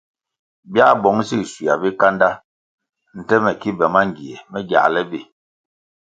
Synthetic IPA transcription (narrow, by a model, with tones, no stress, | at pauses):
bja˦bɔ˨˦ŋ˦si˦˨si˨a˨bi˦ka˦nda˦ | n̩˨tɛ˦mɛ˨ki˦bɛ˨ma˦ŋ˨ɡi˨ɛ˨mɛ˦ɡja̰˨lɛ˦bi˦˨